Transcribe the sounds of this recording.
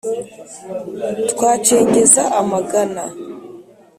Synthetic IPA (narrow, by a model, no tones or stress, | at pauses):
dkʷaːt͡ʃʰeŋɡʲezaʔamaɡana